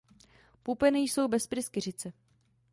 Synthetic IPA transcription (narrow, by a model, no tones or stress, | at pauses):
pupɛnɪjso̞wbɛspɾɪskɪr̝ɪt͡sɛ